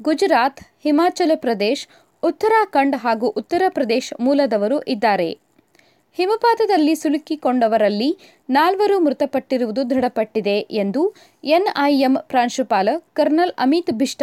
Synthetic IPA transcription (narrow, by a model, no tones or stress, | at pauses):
ɡud͡ʒɾaːt̪himaːt͡ʃɐlɐpɾɐd̪eːʃ | ut̪ːɐɾaːkɐɳɖɦaːɡuʔut̪ːɐɾɐpɾɐd̪eːʃmuːlɐd̪ɐʋɐɾuʔid̪ːaːɾe̞̰ | himɐpaːd̪ɐd̪ɐlːisulkikoɳɖɐʋɐɾɐlːi | naːlʋɐɾumɾut̪ɐpɐʈːiɾuʋud̪ud̪ʱɐɽɐpɐʈːid̪e̞ʔend̪u | enɐjempɾaːnʃupaːlɐkɐɾnɐlɐ̰mit̪bʱiʂʈɐ